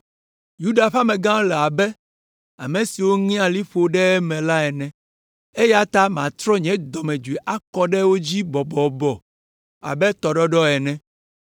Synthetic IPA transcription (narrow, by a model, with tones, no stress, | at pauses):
ju˦ɖa˨ɸa˦mɛ̃˨ɡã˦lɛ˨a˨bɛ˦ | a̰˨mẽ˨si˨wo˦ŋĩ˦a˨li˦ɸo˨ɖɛ˦mɛ̃˨la˦ɛ˨nɛ̃˨ | e˦ja˦t̪a˦m˨ã˨t̪ɾɔ˦ɲɛ̃˨˦d̪ɔ˨mɛ̃˨d͡ʒu˨e˨ʔa˦kɔ˦ɖɛ˦wo˦d͡ʑi˦bɔ˨bɔ˨bɔ˨ | a̰˨bɛ˦t̪ɔ˨ɖɔ˦ɖɔ˦ɛ˨nɛ̃˦